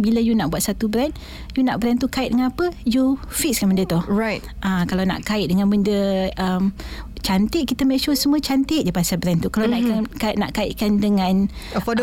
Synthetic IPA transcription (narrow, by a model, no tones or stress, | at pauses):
bilajunaʔbuat̪sat̪ubɾɛn | junaʔbəɾɛnt̪ukaɪʔ̚dəŋanapəjufikskanbəndət̪ʊhɹajt̪ | ʔakalawna̰ʔkaɪʔ̚dəŋanbəndəʔəmt͡ʃant̪ɪʔkit̪əmeʃusəmuət͡ʃant̪ɪʔdapasabɾɛnt̪ukalawnaakaʔna̰ʔkaɪ̰ʔkandəŋãn | fɔ